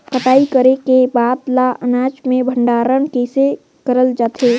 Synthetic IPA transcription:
kəʈaːikəɾekebaːd̪laʔənaːd͡ʒmẽbʱə̃ɳɖaːɾənkeːse | kəɾəld͡ʒaːt̪ʰeː

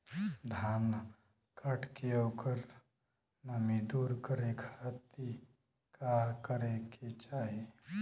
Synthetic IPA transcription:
d̪ʱaːn | kʰəʈkeoːkəɾ | nəmid̪uːɾkəɾekʰat̪i | kakəɾeket͡ʃaːɦi

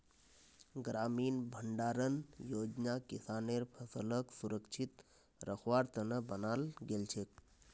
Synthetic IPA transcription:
ɡɾaːmiːnbʱəɳɖaːɾənjoːd͡ʒnakisaːneːɾpʰəsələksuɾəkt͡ʃʰit̪ | ɾəxʰʋaːɾt̪ənəbənaːlɡelt͡ʃʰek̚

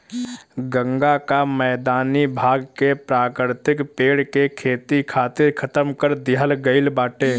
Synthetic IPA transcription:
ɡə̃ŋɡakamɛːd̪aːnibʱaːɡkepɾaːkɪɾt̪ɪkpeːɽkekʰeːt̪ikʰaːt̪ɪɾkʰət̪əmkəɾd̪ɪɦəlɡəɪlbaːʈeː

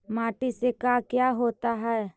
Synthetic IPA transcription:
maːʈisekakjaɦoːt̪aɦɛː

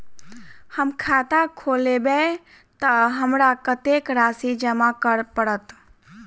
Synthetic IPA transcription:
həmkʰaːt̪akʰoːlebe | t̪əɦəmɾakət̪ekɾaːsid͡ʒəmakəɾpəɽət̪

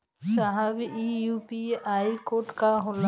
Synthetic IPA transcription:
saɦəbijuːpiaːikoːʈkaɦol

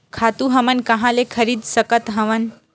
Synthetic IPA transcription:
kʰat̪uɦəmənkɐɦãlekʰəɾid̪ʱsəkət̪ɦəʋən

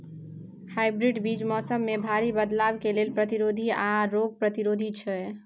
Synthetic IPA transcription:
hajbɾiɖbid͡ʒmɔsəmːebʱaɾibəd̪labkelelpɾət̪iɾod̪ʱiaɾoɡ̚pɾət̪iɾod̪ʱit͡ʃʰɛ

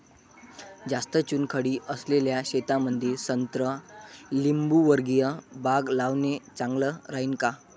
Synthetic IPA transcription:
d͡zast̪ət͡ɕuːnkʰəɽiːʔəsleljaɕet̪aməd̪ʱiɾsənt̪ɾəlimbuʋəɾɡijəbaɡlaʋnet͡saŋɡləɾaɦiːnka

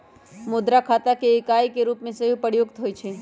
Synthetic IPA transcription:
mod̪ɾakʰat̪akeːkajkeɾupmẽsəɦũpəɽjoɡt̪ʰɦoːjt͡ʃʰe

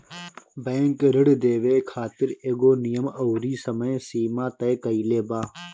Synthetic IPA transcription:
bẽːŋkɾɪɽd̪eːʋeːkʰaːt̪ɪɾeːɡoːnijəmɐwɾiːsɐmɐẽsiːmaːt̪ɐkɐileːbaː

